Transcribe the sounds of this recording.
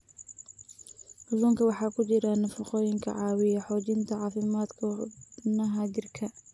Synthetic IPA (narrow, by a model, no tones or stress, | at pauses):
hʊduːŋkʰɐwɑħɑːkʰʊt͡ʃɪɾɐnɐfʊqɔːjɪŋkʰɐ̰ʕɑːwɪjɐħɔːt͡ʃɪnt̪ʰɐʕɑːfɪmaːd̪kʰɐnɐɦɐt͡ʃɪrkʰɐ